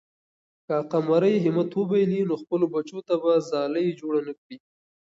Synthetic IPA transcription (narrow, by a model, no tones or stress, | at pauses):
kaqamaɾəjɦɪmat̪wəbajlinoxpəlobat͡ʃot̪abazɑləjd͡ʒoɽanəkɽi